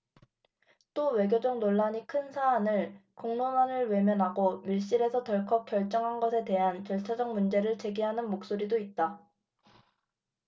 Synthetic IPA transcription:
t͈owe̞ɡʲjod͡ʑʌŋnoɭːaɲikʰɯnsʰaːnɯɭkoŋnomanɯɭwe̞mjʌnɦaɡomiɭɕ͈iɾe̞sʰʌtʌɭkʰʌp̚k͈jʌɭt͡ɕ͈ʌŋɦanɡʌsʰe̞te̞ɦant͡ɕʌɭt͡ɕʰad͡ʑʌŋmund͡ʑe̞ɾɯɭt͡ɕe̞ɡiɦanɯnmok̚s͈oɾidoit̚t͈a

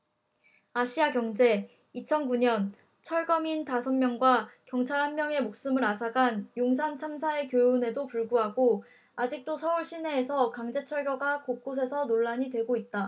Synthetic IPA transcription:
aɕʰiakjʌŋd͡ʑe̞ | it͡ɕʰʌnkuɲʌn | t͡ɕʰʌɭɡʌmintasʰʌnmjʌŋɡwakjʌŋt͡ɕʰaɭhanmjʌŋe̞mok̚s͈ɯmɯɾasʰaɡanjoŋs̬ʰant͡ɕʰams̬ʰae̞kjojune̞dopuɭɡuɦaɡo | ad͡ʑik̚t͈osʰʌuɭɕ͈ʰine̞ːsʰʌkaŋd͡ʑe̞t͡ɕʰʌɭɡjʌɡakok̚k͈os̬ʰe̞sʰʌnoɭːaɲidwe̞ɡoit̚t͈a

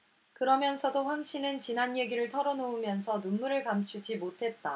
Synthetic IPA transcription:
kɯɾʌmjʌnsʰʌdoɸwaŋɕ͈ʰinɯnt͡ɕinanje̞ɡiɾɯɭtʰʌɾʌnoumjʌnsʰʌnunmuɾɯɭkamt͡ɕʰud͡ʑimotʰe̞t̚t͈a

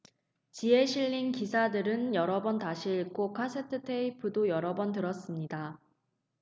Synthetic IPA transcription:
t͡ɕie̞ɕʰiʎːinkisʰadɯɾɯnjʌɾʌbʌntaɕʰiɭk͈okʰasʰetʰɯtʰeipʰɯdojʌɾʌbʌntɯɾʌs͈ɯmɲida

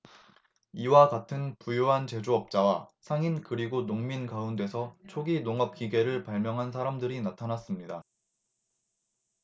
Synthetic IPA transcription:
iwakatʰɯnpujoɦant͡ɕe̞d͡ʑoʌp̚t͡ɕ͈awasʰaŋinkɯɾiɡonoŋminkaunde̞sʰʌt͡ɕʰoɡinoŋʌp̚k͈iɡe̞ɾɯɭpaɭmjʌŋɦansʰaɾamdɯɾinatʰanas͈ɯmɲida

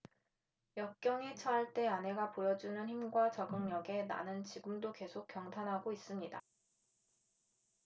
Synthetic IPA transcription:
jʌk̚k͈jʌŋet͡ɕʰaɦːɭt͈e̞anɦe̞ɡapojʌd͡ʑunɯnçimɡwat͡ɕʌɡɯŋɲʌɡe̞na̰nɯnt͡ɕiɡɯmdoke̞sʰok̚k͈ːjʌŋtʰanɦaɡois͈ɯmɲida

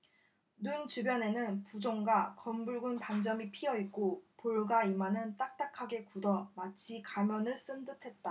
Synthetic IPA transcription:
nunt͡ɕubjʌne̞nɯnpud͡ʑoŋɡwakʌmbuɭɡunpand͡ʑʌmipʰiʌit̚k͈opoɭɡaimanɯnt͈ak̚t͈akʰaɡe̞kudʌmat͡ɕʰikamjʌnɯɭs͈ɯndɯtʰe̞t̚t͈a

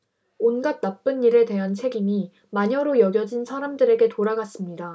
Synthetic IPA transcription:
onɡat̚nap͈ɯnːiɾedwe̞ɦant͡ɕʰe̞ɡimi | maɲʌɾojʌɡjʌd͡ʑinsʰaɾamdɯɾe̞ɡe̞toɾaɡas͈ɯmɲida

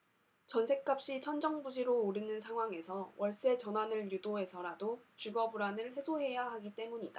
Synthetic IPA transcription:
t͡ɕʌnsʰe̞k͈ap̚ɕ͈it͡ɕʰʌnd͡ʑʌŋbud͡ʑiɾoːɾinɯnsʰaŋɦwaŋe̞sʰʌwʔʌɭs͈e̞t͡ɕʌnwanɯɭjudoɦe̞sʰʌɾadot͡ɕuɡʌbuɾanɯɭhe̞sʰoɦe̞jaɦaɡit͈e̞muɲida

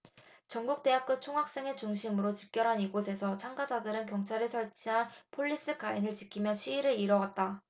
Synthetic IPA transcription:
t͡ɕʌŋɡuk̚t͈e̞ɦap̚k͈ɯt͡ɕʰoŋɦak̚s͈e̞ŋe̞t͡ɕuŋɕʰimɯɾot͡ɕik̚k͈jʌɾɦaniɡosʰe̞sʰʌt͡ɕʰaŋɡad͡ʑadɯɾɯnkjʌŋt͡ɕʰaɾɯɭsʰʌɭt͡ɕʰiɦanpʰoɭːis͈ɯkainɯɭt͡ɕikʰimjʌɕʰiːɾɯiɾʌɡat̚t͈a

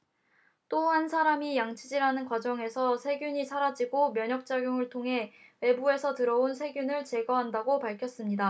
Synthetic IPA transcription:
t͈oɦansʰaɾamijaŋt͡ɕʰid͡ʑiɾanɯnkwad͡ʑʌŋe̞sʰʌsʰe̞ɡjuɲisʰaɾad͡ʑiɡomjʌɲʌk̚t͡ɕ͈aɡjoŋɯɭtʰoŋɦe̞we̞bue̞sʰʌtɯɾʌunsʰe̞ɡjunɯɭt͡ɕe̞ɡʌɦandaɡopaɭkʰjʌs͈ɯmɲida

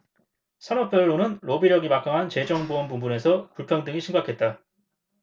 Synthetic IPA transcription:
sʰʌnʌp̚p͈jʌɾɯɾonɯnɾobiɾjʌɡimak͈aŋɦant͡ɕe̞d͡ʑʌŋboʌnbumbune̞sʰʌkuɭpʰjʌŋdɯŋiɕʰiŋɡakʰe̞t̚t͈a

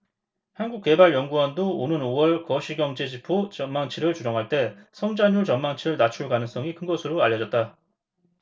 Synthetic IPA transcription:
hanɡuk̚k͈e̞baɭjʌŋɡuʌndoonɯnowʌɭkʌɕʰiɡjʌŋd͡ʑe̞d͡ʑipʰot͡ɕʌnmːaŋt͡ɕʰiɾɯɭt͡ɕud͡ʑʌŋɦaɭt͈e̞sʰʌŋd͡ʑaɲuɭt͡ɕʌmmaŋt͡ɕʰiɾɯɭnat͡ɕʰuɭkanɯŋs͈ʌŋikʰɯnɡʌsʰɯɾoaʎːʌd͡ʑʌt̚t͈a

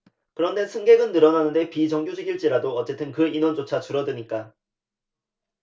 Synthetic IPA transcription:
kɯɾʌnde̞sʰɯŋɡe̞ɡɯnːɯɾʌnanɯnde̞pit͡ɕʌŋɡjod͡ʑiɡiɭt͡ɕ͈iɾadoʌt͡ɕ͈e̞t͈ʰɯnkɯinwʌnd͡ʑot͡ɕʰat͡ɕuɾʌdɯɲik͈a

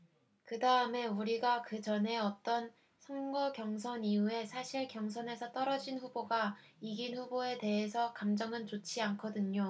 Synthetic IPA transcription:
kɯdaɯme̞uɾiɡakɯt͡ɕʌne̞ʌt͈ʌn | sʰʌŋɡʌkjʌŋs̬ʰʌniue̞sʰaɕʰiɭkjʌŋsʰʌne̞sʰʌt͈ʌɾʌd͡ʑinɸuboɡaiɡinɸuboe̞te̞ɦesʰʌkamd͡ʑʌŋɯnt͡ɕot͡ɕʰiankʰʌdɯɲo

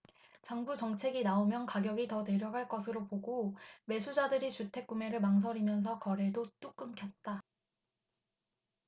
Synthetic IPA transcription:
t͡ɕaŋbud͡ʑʌŋt͡ɕʰe̞ɡinaomjʌnkaɡjʌɡitʌne̞ɾjʌɡaɭk͈ʌsʰɯɾopoɡome̞sʰud͡ʑadɯɾit͡ɕutʰe̞k̚k͈ume̞ɾɯɭmaŋs̬ʰʌɾimjʌns̬ʰʌkʌɾe̞dot͈uk͈ɯŋkʰjʌt̚t͈a

